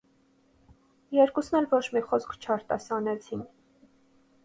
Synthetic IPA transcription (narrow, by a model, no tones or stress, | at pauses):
jɛɾkusnɛlvɔt͡ʃʰmiχɔskʰt͡ʃʰɑɾt̪ɑsɑnɛt͡sʰin